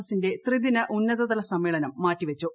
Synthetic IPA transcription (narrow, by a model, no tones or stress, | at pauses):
ɐsinde̞t̪riðinɐʔunːɐðɐðɐlɐsɐmːeːɭɐnɐmːaːtːiʋɐt͡ɕːu